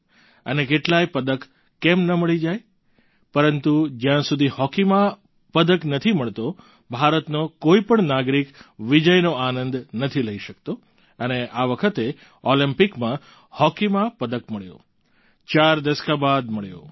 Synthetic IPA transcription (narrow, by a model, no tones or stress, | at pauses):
ə̰nekeʈlajpəd̪əkː | ɛmnəməɭid͡ʒaj | pəɾənt̪ud͡ʒjãsud̪ʱihɔkimã | pəd̪əknət̪ʰiməɭt̪o | bʱaɾət̪nokoipəɳnaɡɾikʋid͡ʒəjnoanənd̪nət̪ʰiləiʃəkt̪o | əneʔaʋəkʰət̪e | ɔlimpikmã | hɔkimãpəd̪əkməɭjo̰ | t͡ʃaɾd̪əskabad̪məɭjo̰